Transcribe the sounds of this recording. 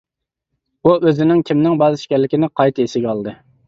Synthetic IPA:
uʔøzɪnɪŋkʲʰimnɪŋbɑːzɨʃɪ̥kʲɛɾlːɪkʲinɪqʰɑjt̪ʰɨeʃɪɡʲɛɑlˠd̪ɨ

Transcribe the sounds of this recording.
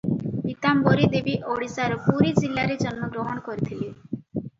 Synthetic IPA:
it̪ambɔɾid̪ebiʔoɽisaɾɔpuɾid͡ʒilːaɾed͡ʒɔnmɔɡɾɔɦɔɽ̃kɔɾit̪ʰili

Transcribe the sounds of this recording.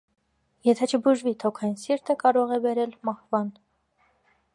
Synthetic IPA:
jɛt̪ʰɛt͡ʃʰəbuʒvit̪ʰɔkʰɑjinsiɾt̪ʰəkɑɾɔʁɛbɛɾɛlmɑhvɑn

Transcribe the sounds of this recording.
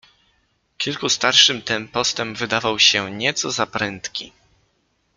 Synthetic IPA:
kʲilkust̪aɾʂɘmt̪ɛmpɔst̪ɛmbvɘd̪avawɕɛɲɛt̪sɔzapɾɛnt̪kʲḭ

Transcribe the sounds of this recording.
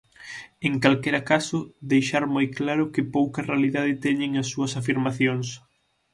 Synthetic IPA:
eŋkalkɛɾɐkasʊðejʃaɾmojklaɾʊkɪpowkɐrealiðaðɪt̪ɛɲɪŋɐsːuɐsafiɾmaθjoŋs

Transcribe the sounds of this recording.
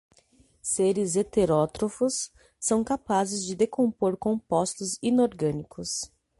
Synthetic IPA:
seɾɪzet̪eɾɔt̪ɾofʊsː | ɐ̃w̃kapazɪzd͡ʒɪd̪ekõpoɾkõpɔst̪ʊzĩnoɾɡɐ̃nikʊs

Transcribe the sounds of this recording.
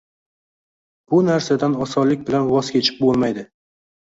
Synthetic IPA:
b̥ʊnaɾsad̪anɒsɒnlɪk̚ʲbɪlanwɒz̥kʲʰe̞t͡ʃʰɪ̥p̚bolˠmajd̪ɪ

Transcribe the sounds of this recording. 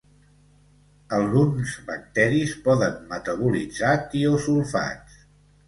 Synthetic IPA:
əlˠɣunzβək̚t̪ɛɾispɔðənmət̪əβulḭd͡zat̪iosulˠfa̰

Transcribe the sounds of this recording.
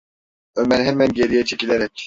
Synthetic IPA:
ømɛnɦɛmːɛnɟeɾijɛt͡ʃʰecileɾɛcʲ

